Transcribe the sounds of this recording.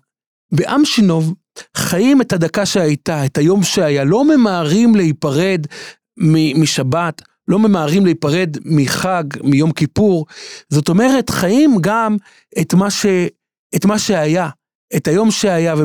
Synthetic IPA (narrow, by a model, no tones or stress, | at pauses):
beʔamʃino̞v | χajime̞thadakaʃehajtaethajo̞mʃeajalo̞me̞maːʁimlehipaʁe̞d | mimiʃabat | lo̞me̞maːʁimleipaʁe̞dmiχaɡmijo̞mkipuʁzo̞to̞me̞ʁe̞tχajimɡam | etmaʃe | etmaʃeaja | etajo̞mʃeajave